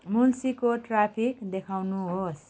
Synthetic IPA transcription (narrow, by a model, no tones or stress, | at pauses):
mulsikoʈrapʰikd̪ekʰawnuɦos